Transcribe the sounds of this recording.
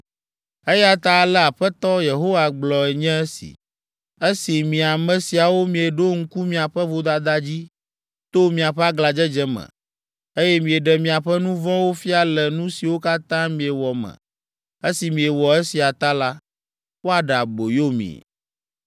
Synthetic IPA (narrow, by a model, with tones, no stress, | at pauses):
e˦ja˦t̪a˦˨lɛ˦a˨ɸɛ˦t̪ɔ˦je˨ɦo˦wa˨ɡ͡blɔ˨ɛ˨ɲɛ̃˦ɛ˦sḭ˨ | e˦si˨mĩ˨a˨mɛ̃˨si˨a˨wo˦mĩ˨e˨ɖo˦ŋ̩˦ku˦mĩ˨a˨ɸɛ˦vo˦d̪a˦d̪a˦d͡ʑi˦ | t̪o˦mĩ˨a˨ɸɛ˦a˦ɡla˨d͡ʒɛ˦d͡ʒɛ˦mɛ̰̃˨ | e˦jɛ˦mĩ˨e˨ɖɛ˨mĩ˨a˨ɸɛ˦nũ˦vɔ̃˦wo˦fi˦a˦˨lɛ˨nũ˦si˨wo˦ka˦t̪ã˦mĩ˨ɛ˨wɔ˨mɛ̰̃˨ | e˦si˨mĩ˨e˨wɔ˨e˦si˨a˨t̪a˦la˦ | wo˦a˨ɖa˨bo˨jo˦mḭ̃˨